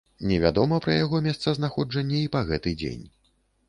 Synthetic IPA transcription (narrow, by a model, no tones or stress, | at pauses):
nʲɛvʲa̰d̪ɔmɐpɾɐjaɣɔmʲɛst̪sɐznaxɔd͡ʐɐnʲːɛipɐɣɛt̪ɨd͡zʲḛnʲ